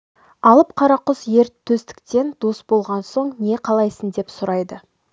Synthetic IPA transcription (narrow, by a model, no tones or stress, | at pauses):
ɑlˠəp̚qʰɑɾɑqʊsje̞ɾt̪ʰːɵst̪ɪ̥kt̪e̞nd̪̥osbo̞lˠʁɑnso̞ɴne̞qʰɑlˠɑjsənd̪e̞psʊɾɑjd̪ə